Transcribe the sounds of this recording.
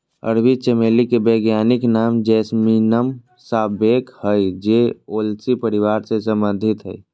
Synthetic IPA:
ə̰ɾbit͡ʃemeːlikebeːɡjaːniknaːmd͡ʒɛːsminəm | saːbeːkhəjd͡ʒeoːlsipəɾiʋaːɾsesə̃mbə̃nd̪ʱɪt̪ɦə̰j

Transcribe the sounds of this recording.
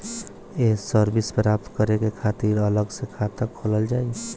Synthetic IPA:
esəɾbispɾap̚t̪kəɾekekʰat̪iɾələɡsekʰat̪əkʰːoləld͡ʒaːi

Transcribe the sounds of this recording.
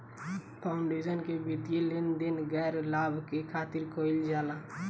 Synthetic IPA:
pʰaʊɳɖed͡ʒənkebit̪elend̪inɡɛɾlaːbʱkekʰaːt̪ɪɾkʰoɪld͡ʒaːla

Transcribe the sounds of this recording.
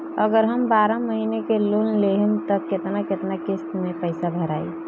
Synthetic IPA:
əɡəɾɦəmbaɾaməɦinekelunleɦmt̪əkːet̪naket̪nakɪst̪mẽpəɪsabʱəɾaḭ

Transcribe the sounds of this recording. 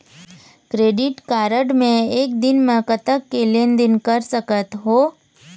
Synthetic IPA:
kɾeːɖɪʈkaːɾəɖmẽeːk̚d̪ɪnmə̃kət̪əkːelend̪ɪnkəɾsəkət̪ɦoː

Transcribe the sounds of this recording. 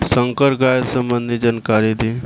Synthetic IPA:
səŋkəɾɡajsəmbənd̪ʱid͡ʒənkaɾid̪i

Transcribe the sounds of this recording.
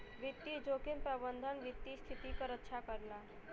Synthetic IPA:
ʋit̪ːid͡ʒokimpɾəbənd̪ʱənʋit̪ːist̪ʰit̪ikəɾəkːʃʰakəɾla

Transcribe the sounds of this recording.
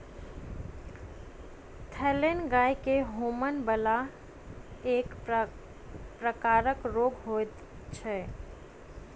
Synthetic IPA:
t̪ʰɛlenɡajkeɦomənbəla | ek | pɾəkaɾəkɾoɡɦot̪ | t͡ʃʰɛ

